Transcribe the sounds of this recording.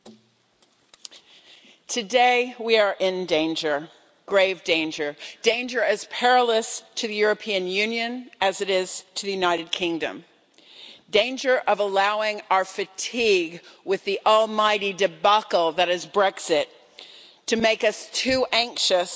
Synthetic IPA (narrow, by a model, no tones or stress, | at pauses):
tʰɨdeɪwiə˞ʔɪ̃ndẽɪ̃nd͡ʒə˞ | ɡ̥ɹeɪvdẽɪ̃nd͡ʒə˞d̥ẽɪ̃nd͡ʒə˞ɨz̥pʰɛɹəlˠəstʰɨðɨjʊɹɨpʰiɨ̃njʉ̃njɨ̃nɨzɨɾɪz̥tʰɨðɨjʉnaɪɾɨd̚kʰɪ̃ŋdɨ̰̃m | dẽɪ̃nd͡ʒə˞ʔʌvəlaʊɪ̃ŋaʊə˞fɨtʰiɡwɨðiʔɔlˠmaɪɾidɨbɑkl̩ˠðɨɾɨzbɹɛksɪtʰ | ɨmeɪkʌstʰʉʔæ̃ŋkʃɨs